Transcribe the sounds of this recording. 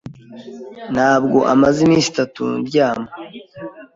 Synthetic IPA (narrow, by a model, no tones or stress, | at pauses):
n̥haːb̚ɡo̞ʔamazimiːsi̥tatṵɾɟaːmo